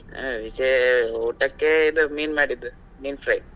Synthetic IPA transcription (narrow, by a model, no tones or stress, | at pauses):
ʋid͡ʒeoːʈɐkːeid̪umiːnmaːɽid̪ːu | miːnfɾɐj